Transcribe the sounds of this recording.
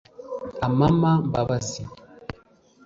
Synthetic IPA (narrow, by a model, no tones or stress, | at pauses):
amamam̩babazi